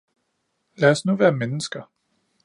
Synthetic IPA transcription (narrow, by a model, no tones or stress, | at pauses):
læɒsnuʋæːɐmenəsɡ̥ɐ